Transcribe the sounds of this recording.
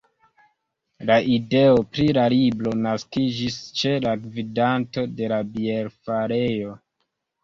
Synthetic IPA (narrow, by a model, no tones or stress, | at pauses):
laʔide̞o̞pɾilaɾiblo̞naskid͡ʒist͡ʃe̞laɡvidanto̞de̞labieɾfaɾe̞jo̞